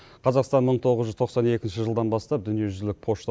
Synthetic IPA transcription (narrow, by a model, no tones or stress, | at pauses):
qʰɑzɑqst̪ɑnməɴt̪ʰo̞ʁəzʒʏzt̪ʰoqsɑne̞kʲɪnʃɪʒəlˠd̪ɑnbɑst̪ɑp̚d̪ʏnije̞ʒʏzlɪk̚pʰo̞ʃt̪